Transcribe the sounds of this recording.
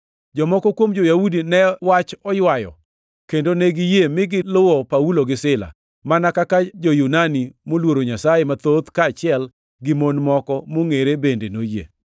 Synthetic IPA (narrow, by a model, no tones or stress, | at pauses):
d͡ʒɔmɔkɔkwomd͡ʒojaudinɛwat͡ʃɔjwajɔ̰ | kendoneɡɪjemɪɡɪlʊwɔpauloɡɪsɪla̰ | manakakad͡ʒojunanimolwoɾoɲasajemat̪ot̪kaːt͡ʃɪɛl | ɡɪmonmɔkɔmoŋeɾebendenojḛ